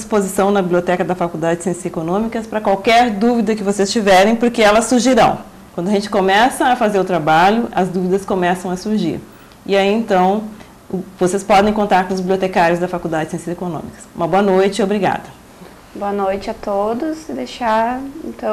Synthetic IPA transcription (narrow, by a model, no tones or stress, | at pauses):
d͡ʒispozisɐ̃w̃nɐbibliot̪ɛkɐd̪ɐfakud̪ad͡ʒɪsẽsiekonõmikɐspɾɐkwawkɛɾd̪uvid̪ɐkɪvosest͡ʃivɛɾẽj̃poɾkɪɛlɐsuɾʒiɾɐ̰̃w̃ | kwɐ̃nd̪ɐʒẽnt͡ʃɪ̥komɛsɐːfazeɾʊt̪ɾabaʎʊɐzd̪uvid̪ɐskomɛsɐ̃w̃ɐsuɾʒḭɾ | ɪaiẽnt̪ɐ̃w̃ | vosespɔd̪ẽj̃kõnt̪aɾkõʊzbibliot̪ekaɾjʊzd̪ɐfakuwd̪ad͡ʒɪsẽsizekonõ̰mikɐ̥sũmɐboɐnojt͡ʃɪobɾiɡa̰d̪ɐ | boɐnojt͡ʃɪat̪od̪ʊsd̪ejʃaḛ̃nt̪ɐ̃